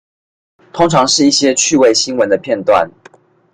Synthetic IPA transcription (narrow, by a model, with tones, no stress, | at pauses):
t̪ʰʊ˥ŋʈ͡ʂʰɑ˧˥ŋʂɻ̩˥˧i˥˩ɕjɛ˦˥t͡ɕʰy˥˩we˥˩ɪɕi˥nwə˨˦nd̪ə˧pʰjɛ˥˧nt̪wa̰˥˨˩n